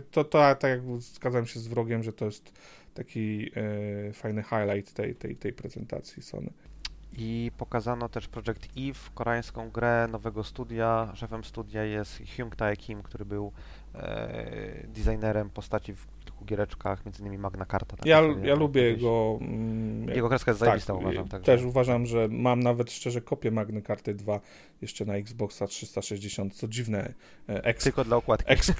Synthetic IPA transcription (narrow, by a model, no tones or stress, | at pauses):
t̪ɔt̪ɔat̪akʲjaɡzɡad̪zamɕɛzvɾɔɡʲjɛmʐɛt̪ɔjɛst̪ | t̪akʲi | fajnɘxajlajt̪ːɛ̰jt̪ɛ̰jt̪ɛjpɾɛzɛnt̪a̰t̪sʲjisɔ̰nɨ̰ipɔkazanɔt̪ɛʂpɾɔʐɛkt̪ifkɔɾaj̃skɔ̃w̃ɡɾɛnɔvɛɡɔst̪ud̪ʲjaʂɛfɛmst̪ud̪ʲjajɛst̪xjuŋkt̪aɛkʰʲimkt̪uɾɘbɘw̰ | d̪ʲizajnɛɾɛmpɔst̪at͡ɕivʲ | lkuɡʲjɛɾɛt͡ʂkaxmʲjɛnzɘnimʲimaɡnakaɾt̪at̪ajajalubʲjɛjɛɡɔ | jajɛɡɔkɾɛskajɛszaaist̪auvaʒa̰mt̪aɡt̪ɛʂuvaʐamʐɛmamnavɛt̪ʂt͡ʂɛʐɛkɔpʲjɛmaɡnɘkaɾt̪ɘd̪va | jɛʂt͡ʂɛnaiɡzbɔksatʂɘst̪aʂɛʑd͡ʑeɕɔnt̪̚t̪sɔd͡ʑivnɛ | ʔɛk̪ɘlkɔd̪laukwat̪kɛks